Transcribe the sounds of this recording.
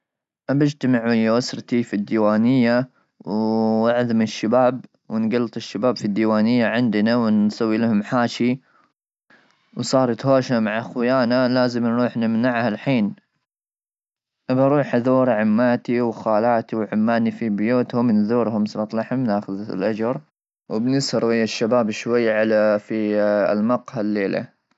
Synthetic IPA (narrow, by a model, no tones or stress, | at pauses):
ʔabɪd͡ʒt̪amaʕwɪjawasɾt̪ifid̪ːiːwaːnɪjːa | wɪʕðmɪɪʃːabaːb̚ | wɪnɡalːɑt̪ˤɪʃːabaːbfid̪ːiːwaːnɪjːaʕɪnd̪nawɪnsawːilɪhʊmħaːʃi | wsˤɑːɾˤɑt̪hoːʃamaʕaxwɪjaːnalaːzɪmnɾuːħnɪmnaʕhalħiːn | ʔabaɾˤuːħðuːɾʕɪmːaːt̪iwxaːlaːt̪iwʕʊmːaːnifibjuːt̪hʊmnðuːɾhʊmsɑt̪ˤlɑħhʊmnaːxʊð̰lʔad͡ʒɑɾˤ | wɪbnɪshɑɾˤwɪjːaʃːabaːbʃwajːʕalafḭlmɑqhalːeːlʔa̰